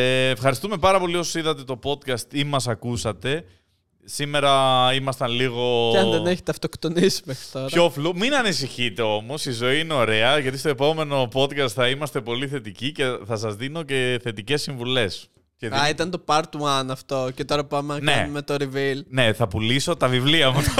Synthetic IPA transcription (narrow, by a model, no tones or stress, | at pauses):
eːfxɐɾist̪ume̞pɐɾɐpo̞lio̞sosiðɐt̪e̞t̪o̞po̞t̪kɐst̪imɐsɐkusɐt̪e̞ | sime̞ɾɐimɐst̪ɐnliɣo̞ɐðeneçet̪eɐft̪okt̪onisi̥mexɾi̥t̪oɾɐofluminɐnis̬içit̪e̞o̞mo̞sizo̞iineo̞ɾe̞ɐʝɐt̪ist̪o̞e̞po̞me̞no̞po̞t̪kɐst̪θɐimɐst̪e̞po̞liθe̞t̪icice̞θɐs̬ɐzðino̞ce̞θe̞t̪ice̞sːiɱvule̞s | ceðɐit̪ɐnt̪o̞pɐɾt̪uɐnɐft̪o̞cet̪o̞ɾɐpɐmenɐnkeɐ̰umet̪oɾivilne̞θɐpuliso̞t̪ɐvivliɐmut̪